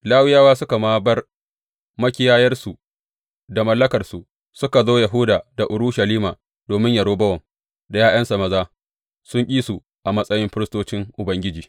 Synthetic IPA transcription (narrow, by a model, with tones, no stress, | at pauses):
laː˦wɪ˦jaː˦waː˦sʊ˦ka˨maː˦bɐ˦r | mɐ˦kʲɪ˦jaː˦jɐ˦rsu˨ | da˨mɐ˦lːɐ˦kɐ˨rsu˨ | sʊ˦ka˨zoː˦jɐ˨ɦʊ˦daː˨da˨ʔʊ˨ɾuː˦ʃɐ˨liː˦maː˨ | doː˨mɪ˦ɲja˨ɽoː˦bɐ˦wɐ˨m | da˨jaː˦jɐ˦nsɐ˨mɐ˨zaː˦ | sʊ˦ŋkʲʼiː˦su˨ | ʔa˨mɐ˦sʼɐ˦jɪ˦mɸɪ˦ɾɪ˦stoː˦t͡ʃɪ˦ŋʔʊ˨bɐ˦ŋɡʲɪ˦d͡ʒiː˨